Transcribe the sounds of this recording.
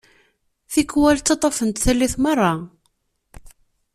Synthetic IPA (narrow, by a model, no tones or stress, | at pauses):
θikːwælt͡sːɑt̪ˤɑfənt̪θælːiθmɑrˤːɑ